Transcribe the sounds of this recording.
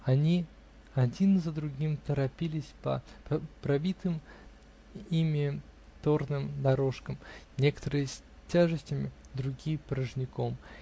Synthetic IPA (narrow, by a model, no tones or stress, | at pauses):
ɐnʲi | ɐdʲinɨzəd̪ɾʊɡʲimt̪əɾɐpʲilʲɪsʲpə̰ppɾɐbʲit̪ɨm | imʲɪt̪ornɨmd̪ɐɾo̞ʂkəmnʲe̞kə̥t̪əɾɨjəsʲtʲaʐɨsʲtʲɪmʲɪd̪ɾʊɡʲijpɾəʐnʲɪko̞m